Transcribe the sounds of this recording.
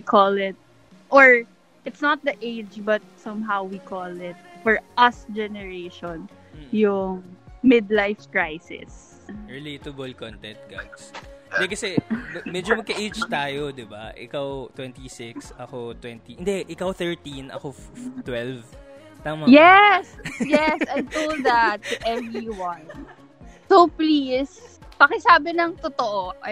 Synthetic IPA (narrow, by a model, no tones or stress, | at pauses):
ikʰɔlɪt̪̚ | ʔɔɹ | ʔɪt̪snɐt̪̚d̪ɐʔeɪd͡ʒbɐt̪̚sɐ̃mɦawwikʰɔlɪt̪̚fɔɹʔɐsd͡ʒɛnɛɹeʃɔ̃n̩ | jʊŋmɪd̪lajfkɹajsɪ̰s | ɹɪleːt̪ɐbolkɔnt̪ɛ̃nt̪̚ɡ̥a̰dsɪnd̪ɛkɐsɛmɛd͡ʒomɐɡ̚kɐʔed͡ʒt̪aːjod̪ɪba̰ʔɪ̰kawt̪wɛnt̪isɪksʔɐkot̪wɛnt̪iʔɪnd̪ɛʔɪkawθɛɹt̪inʔɐ̰kot̪wɛlv | t̪amɐjɛsjɛsajt̪old̪ɐt̪ːʊʔɛvɹiwɐn | sowplis | pɐkɛsaːbɪnɐŋt̪ot̪oʔoʔɐ